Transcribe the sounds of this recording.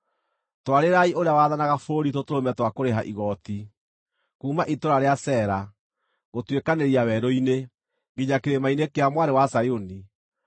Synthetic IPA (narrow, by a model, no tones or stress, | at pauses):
twaɾeɾaioɾeawaðanaɣafoɾitotoɾomɛtwakoɾeɦaʔiɣɔti | kuːmaʔitoɾaɾeasɛɾa | ɣotwekaneɾiawɛɾɔine | ɣiɲakeɾemainekeamwaɾewasajoni